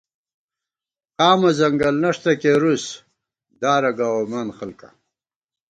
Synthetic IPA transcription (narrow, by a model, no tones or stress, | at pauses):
qaːmɐzɐŋɡɐlnɐʂt̪ɐkeɾus | d̪aːɾɐɡawomanxalka̰